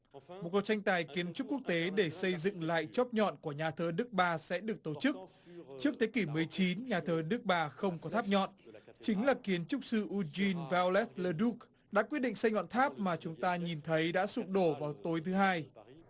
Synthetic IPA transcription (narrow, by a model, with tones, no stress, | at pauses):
mo˨˩t̚ku˨˩k̚t͡ɕa˧ŋt̪aː˨˩jki˨˦ənt͡ɕʊ˦˥k͡p̚kːu˦˥ək̚t̪e˨˦ɗe˧˩sə˧jzɨ̰˧˨ŋla̰ː˧˨jt͡ɕɔ˦˥p̚ɲɔ̰˧˨nku˧˩əɲaː˨˩t̪ʰəː˨˧˦ɗɨ˦˥k̚ɓaː˧˩sɛ̰˧˥ɗɨ˨˩ək̚t̪o˧˩t͡ɕɨ˦˥k̚ | t͡ɕɨ˦˥ək̚t̪ʰe˨˦ki˧˩mɨ˨˩əjt͡ɕi˨˦nɲaː˨˩t̪ʰəː˨˦ɗɨ˦˥k̚ɓaː˨˩xə˧wŋ͡mkɔ˨˦t̪ʰaː˦˥p̚ɲɔ̰˧˨nt͡ɕï˨˦ŋ̟laː˨˩ki˨˦ənt͡ɕʊ˦˥k͡p̚sɨ˧ʔu˧zi˧nva˧lɛ˦˥t̪̚ləː˧ɗu˦˥k̚ | ɗa̰ː˧˥kwi˦˥ət̚ɗḭ˧˨ŋsa˧jŋɔ̰˧˨nt̪ʰaː˦˥p̚maː˨˩t͡ɕʊ˨˦ŋ͡mt̪aː˧ɲi˨˩nt̪ʰə˨˦jɗa̰ː˧˥sʊ˧˩k̚ɗo˧˩vaː˨˩wt̪o˨˦jt̪ʰɨ˨˦ɦaː˧j